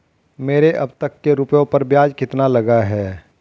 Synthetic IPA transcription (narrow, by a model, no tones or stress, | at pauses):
meːɾeʔɐbt̪əkːeɾupjõpɐɾbjaːd͡ʒkɪt̪nalɐɡaɦɛː